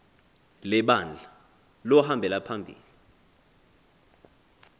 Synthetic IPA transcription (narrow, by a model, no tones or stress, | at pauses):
lɛɓand͡ɮʱa | lɔhambʱɛlapʰambʱḭːli